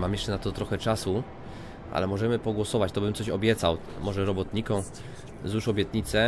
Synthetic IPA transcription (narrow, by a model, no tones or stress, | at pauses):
mamjɛʂt͡ʂɛnat̪ɔt̪ɾɔxɛt͡ʂasu | ʔa̰lɛmɔʐɛmɘpɔɡwɔsɔvat͡ɕt̪ɔbɘmt̪sɔɕɔbʲjɛt̪saw | mɔʐɛɾɔbɔt̪ɲikɔ̃w̃ | zuʂɔbʲjɛt̪ɲit̪sɛ